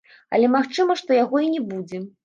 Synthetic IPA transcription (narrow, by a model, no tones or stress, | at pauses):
ɐ̰lʲɛmaxt͡ʂɨmɐʂt̪ɔjaɣɔinʲɛbud͡zʲɛ